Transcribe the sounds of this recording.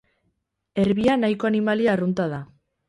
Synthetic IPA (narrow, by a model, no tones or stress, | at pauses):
e̞ɾβianajko̞animaliaːrunt̪að̞a